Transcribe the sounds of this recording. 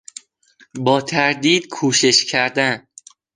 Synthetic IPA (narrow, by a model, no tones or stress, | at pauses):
bɒːt̪ʰæɾd̪iːd̪kʰuːʃe̞ʃcʰæɾd̪æn